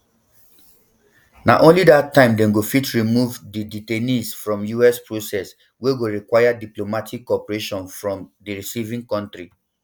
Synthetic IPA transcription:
na̰ʔõnlidatːãɪ̃mdɛ̃mɡofitɹimuvdiditenĩsfɹɔ̃mjuɛspɹosɛs | weɡoɹikwajadiplomatʰikːɔpɹeʃɔ̃nfɹɔ̃mdiɹisivĩŋkɔ̃ntɹi

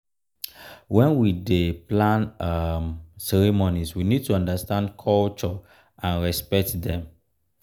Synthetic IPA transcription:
wɛ̃nwideplãnmsɛɹimoniswinid̚tuɔ̃ndəstãndkʰɔlt͡ʃɔ | ʔãnɹɛspɛk̚tdɛ̃m

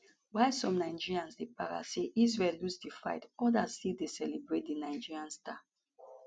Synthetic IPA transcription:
waɪsɔ̃mnaɪd͡ʒiɹiãnsdepaɹa̰seʔizɹɛlusdifa̰ɪtɔdastildesɛlibɹet̚dinaɪd͡ʒiɹiãnsta

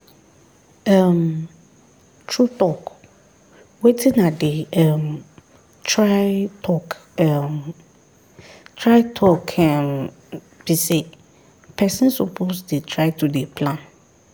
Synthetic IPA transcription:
ɛ̃m | tʰɹutɔk | wetʰĩnãdɪɛm | tʰɹaɪtʰɔkɛm | tʰɹaɪtʰɔkʰɛm | b̥ise | pʰɛsɛ̃nsopʰosdetʰɹaɪtʰudepʰlãn

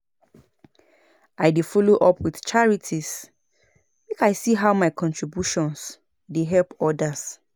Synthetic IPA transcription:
ʔaɪdefɔloʔɔpʰwiθt͡ʃaɹitʰis | mekaɪsiɦaʊmaɪkʰɔ̃ntʰɹibjuʃɔ̃ns | deɦɛlpɔdas

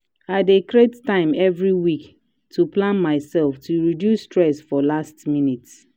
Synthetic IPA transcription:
aɪdekɹettãɪ̃mɛvɹiwik | tʰuplãnmaɪsɛlftʰuɹidjusːtɹɛsfɔlastminits

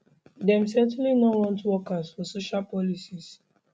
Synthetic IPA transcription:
dɛ̃msɛ̃ntulinɔwɔ̃ntwɔkasfɔsoʃalpɔlisis

